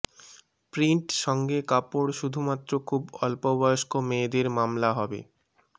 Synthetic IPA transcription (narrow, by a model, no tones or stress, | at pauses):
pɾiɳʈʃɔŋɡekapoɽʃud̪ʱumat̪ːɾokʰubɔlpobɔjoʃkomed̪eɾmamlaɦɔbḛ